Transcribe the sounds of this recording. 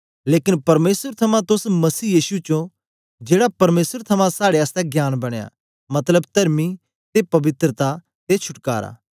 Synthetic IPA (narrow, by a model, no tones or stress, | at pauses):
leːkɪnpɐɾmeːsəɾt̪ʰɐmãt̪ʊsmɐsiːjiːsut͡ʃõ | d͡ʒeːɽapɐɾmeːsəɾt̪ʰɐmãsaːɽeaːst̪ɛɡjaːnbɐɽ̃eja̰ː | mɐt̪ləbt̪ɐɾmi | t̪epɐʋɪt̪ɾət̪a | t̪et͡ʃʰʊʈka̰ːɾa̰ː